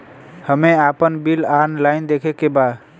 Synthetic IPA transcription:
həmeapənbilanlaɪnd̪ekʰekːebad̪

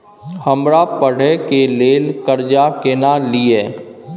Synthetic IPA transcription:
həmɾapəɽ̤ekeleːlkəɾd͡ʒakeːnalieː

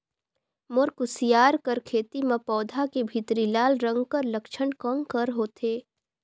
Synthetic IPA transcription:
moɾkʊsijaːɾkəɾkʰeːt̪imɐ̃pɔːd̪ʱakebʱit̪ɾilaːlɾə̃ŋɡkəɾlɐkʃənkɔ̃ŋkəɾɦoːt̪ʰeː

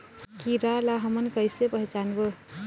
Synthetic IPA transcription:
kiɾalaɦəmənkəjsebəɦt͡ʃanbə

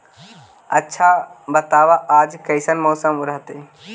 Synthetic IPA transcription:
ɐtːʃʰabɐt̪aːʋaʔaːd͡ʒkɐɪsənmɔːsəmʊɾɦət̪eː

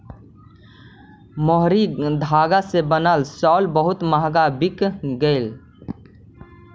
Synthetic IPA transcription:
moɦɾid̪ʱaːɡasebənəlsɔːlbəɦʊt̪məɦɡabikɡəɪl

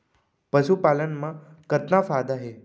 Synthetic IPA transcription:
pəʃupalənmã | kət̪nafad̪aɦe

